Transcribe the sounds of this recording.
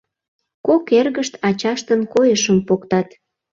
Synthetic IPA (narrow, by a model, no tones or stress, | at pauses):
kokerɣəʃt̪ɑt͡ɕɑʃt̪ənkojəʃəmpokt̪ɑt̪